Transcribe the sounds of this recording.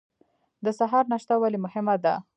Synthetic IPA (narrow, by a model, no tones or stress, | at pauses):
d̪əsaɦɑɾnaʃt̪awalemʊhɪmad̪a